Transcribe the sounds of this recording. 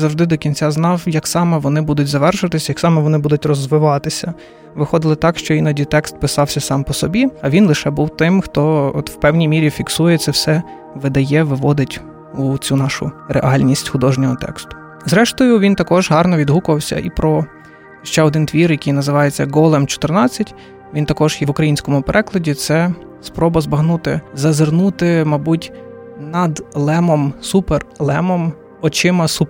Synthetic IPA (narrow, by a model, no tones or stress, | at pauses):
zɐwʒd̪ɪd̪ɔkʲint͡sʲaznɑwjɐksɑmɛʋɔnɪbud̪ʊtʲzɐʋɛrʃʊʋɐt̪ɪsʲɐjɐksɑmɛʋɔnɪbud̪ʊtʲrɔzʋɪʋɑt̪ɪsʲɐ | ʋɪxɔd̪ɪlˠɪt̪ɑkʃt͡ʃɔinɐdʲit̪ɛkst̪̚pɪsɑwsʲɐsɑmpɔsɔbʲiɐʋʲinlˠɪʃɛbuwt̪ɪmxt̪ɔɔt̪w̥pɛwnʲijmʲiɾʲifʲiksujɛt̪sɛwsɛ | ʋɪd̪ɐjɛʋɪʋɔd̪ɪtʲ | ut͡sʲunɑʃʊ̰rḛʔɑlʲnʲisʲtʲxʊd̪ɔʒnʲɔɦɔt̪ɛ̰kst̪ʊ̥ | zɾɛʃt̪ɔjʊʋʲint̪ɐkɔʒɦɑrnɔʋʲid̪ɦukʊʋɐwsʲɐ̰ʔipɾɔ | ʃt͡ʃɛɔd̪ɪnt̪ʋʲirjɐkijnɐzɪʋɑjet͡sʲːɐɡɔlˠɛmt͡ʃɔ̥t̪ɪrnɑt͡sʲːɐtʲ | ʋʲint̪ɐkɔʒ̥jɛʋʊkɾɐjinʲsʲkɔmʊpeɾʔɛklˠɐdʲit̪sɛ | spɾɔbɐzbɐɦnut̪ɪ̰zɐzɪrnut̪ɪmɑbutʲ | nɐd̪lˠɛmɔmsupɛrlˠɛmɔm | ɔt͡ʃɪmɐsup